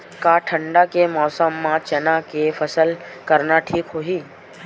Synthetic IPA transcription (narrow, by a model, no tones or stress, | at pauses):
kaʈʰəɳɖakemɔːsəmːãt͡ʃənãkefʰəsəlkəɾnaʈʰiːkɦoɦi